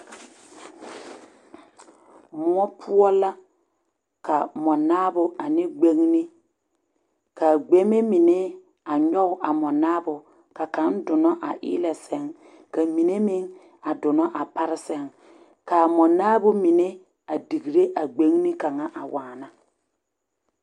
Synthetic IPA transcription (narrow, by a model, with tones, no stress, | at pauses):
mʊ˦ɔ˦pʰʊ˦ɔ˦la˦ | ka˨mɔ˨naː˦bʊ˨a˨nɪ˦ɡ͡be˦ŋni˦ | ka˨ɡ͡be˦me˦mi˨ne˦ | a˨ɲɔ˦ɣʊ˦ʔa˨mɔ˨naː˦bʊ˨ | ka˨ka˨˦ndʊ˨nɔ˦ʔa̰˨ʔɪ̰ː˦lɛ˨sɛ˦ŋ | ka˨mi˨ne˦mɪ˦ŋ | a˨dʊ˨nɔ˦ʔa˨pa˦ɾɪ˦sɛ˦ŋ | ka˨mɔ˨naː˦bʊ˦mi˨ne˦ | a˨di˨ɣi˨ɾe˦ʔa˨ɡ͡be˨˦ŋ˦ni˦ka˨ŋa˦ʔa˨waː˨na˦